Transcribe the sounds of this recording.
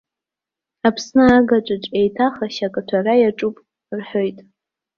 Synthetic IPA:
apʰsnɨaɡaʈ͡ʂʷʼɨʈ͡ʂʼe̞jtʰaχaʃakʼatʷʰarajaʈ͡ʂʼupʼ | rħojtʼ

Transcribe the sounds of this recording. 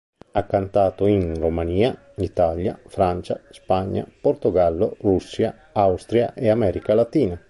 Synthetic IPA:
akːant̪aːt̪oinromaniːa | it̪alja̰fɾant͡ʃa̰spaɲːa̰poɾt̪uɡalːo̰rusːja | awst̪ɾja̰ʔɛamɛːɾikalat̪iːna

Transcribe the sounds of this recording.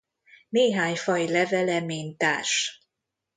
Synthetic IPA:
neːɦaːɲfɒjilɛvɛlɛmeːnt̪aːrʃ

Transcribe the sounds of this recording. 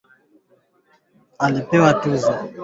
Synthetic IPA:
alepɛwatuza

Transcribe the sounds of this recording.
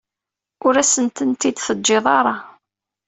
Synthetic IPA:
ʊɾæsənt̪ənt̪id̪θəd͡ʒːeðˤɑɾˤɑ

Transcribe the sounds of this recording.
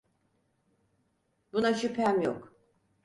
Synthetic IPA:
b̥unaʃypʰæmjo̰k

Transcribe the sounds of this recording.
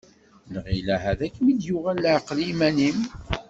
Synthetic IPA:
lʁilæɦæðækːmid̪jʊʁælːʕqlimænim

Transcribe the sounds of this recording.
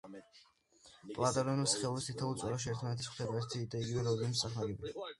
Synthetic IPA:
pʼlˠat̪ʼɛɾɔnusχɛlˠuɾist̪ʰit̪ʰaut̪sʼwɛɾaʃ̬ɛɛːɾt̪ʰmanɛt̪ʰismt̪ʰɛd̪aɛɾt̪ʰiːd̪aiɡivɛɾɔiimsʼaχmaɡɛbi

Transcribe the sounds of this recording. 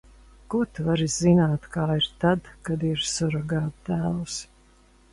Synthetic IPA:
kut̪vaɾizzinaːt̪kaːiɾt̪ad̪kad̪iɾsɔɾaɡaːt̪t̪æːlus

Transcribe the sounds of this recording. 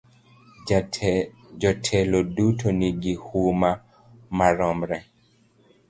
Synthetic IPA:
d͡ʒɔtʰɛlodutʰoniɡihuma | maɾɔmɾɛ

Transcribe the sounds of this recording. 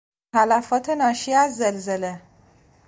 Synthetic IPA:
alafɔt̪ʰenɒʃiazːelzele

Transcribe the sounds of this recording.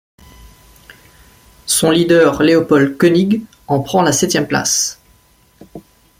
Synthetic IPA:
sɔ̃lid̪œʁleɔpɔlkɔniɡ | ɑ̃pχɑ̃lasɛt̪jɛmpla̰s

